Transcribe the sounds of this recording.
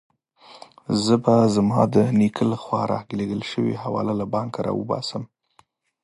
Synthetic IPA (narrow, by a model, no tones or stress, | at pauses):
zəbazmɑd̪ənikʰəlaxwɑɾɑ̰ɡleɡəlʃəwḭhawɑ̰lalabɑŋkaɾɑ̰wə̰bɑ̰səm